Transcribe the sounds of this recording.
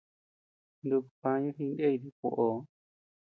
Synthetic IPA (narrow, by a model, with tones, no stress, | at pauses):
nd̪u˧ku̥˨pã˧˦ɲũ˦ɦĩ˧nde˦i˧ði˧ko˧˨ʔo˨